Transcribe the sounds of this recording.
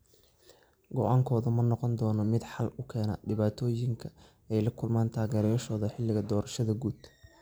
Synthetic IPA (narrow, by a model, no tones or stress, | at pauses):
ɡɔʔaːŋkʰɔːðʊmɐnɔqɔnd̪ɔːnɔmɪd̪ħɑlʊkʰɛːna̰ɖɪβaːt̪ʰɔːjɪŋkʰɐ | ɛjlɐkʰʊlmaːnt̪ʰaːɣɛːɾjɐʃɔːðɐħɪlːɪɣɐd̪ɔːɾɐʃɐðɐɡuːd̪